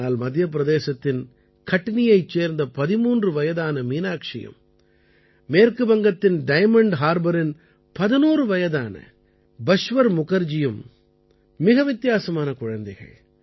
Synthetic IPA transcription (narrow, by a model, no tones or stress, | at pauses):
aːlmɐd̪ʱjɐp̬ːɪɾɐðeːsɐt̪ːɪn | kɐʈːɪnɪjɐɪt͡ʃːeːɾnd̪ɐpɐðɪmuːndrɯʋɐjɐðaːnɐmiːnaːkʂɪ̰jɐ̰m | meːɾkɯbɐŋɡɐt̪ːɪnɖɐɪmɐɳɖɦaːɾbɐɾɪn | pɐðɪnuːrɯʋɐjɐðaːnɐ̰ | bɐʂʋɐɾmʊɣɐɾd͡ʒɪjɯmː | ɪɣɐʋɪt̪ːɪjaːsɐmaːnɐkʊɻɐnd̪ɐɪɣɐ̰ɭ